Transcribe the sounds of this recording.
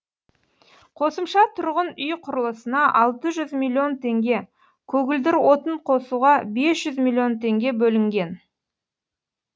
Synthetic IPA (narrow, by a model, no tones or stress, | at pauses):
qʰo̞səmʃɑt̪ʰʊɾʁənʏjqʰʊɾəlˠəsənɑʔɑlˠt̪əʒʏzmilʲˠːio̞nt̪ʰe̞ŋɡʲe̞ | kʲʰɵɡʲɪld̪ɪɾwo̞t̪əɴqʰo̞suʁɑbe̞sʒ̥ʏzmʲilʲˠːio̞nt̪ʰe̞ŋɡʲe̞bɵlɪŋɡʲe̞n